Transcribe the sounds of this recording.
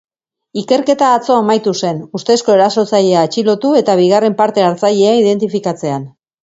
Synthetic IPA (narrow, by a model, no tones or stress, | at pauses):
ike̞ɾke̞t̪aːt͡so̞amajt̪use̞nust̪e̞sko̞e̞ɾaso̞t͡saʎe̞aːt͡ʃilo̞t̪ue̞t̪aβ̞iɣ̞are̞mpaɾt̪e̞aɾt͡saʎe̞aiðe̞nt̪ifikat͡se̞an